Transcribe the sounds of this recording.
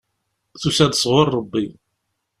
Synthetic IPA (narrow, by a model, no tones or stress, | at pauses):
θusæd̪sˤʁʊɾˤːəbːi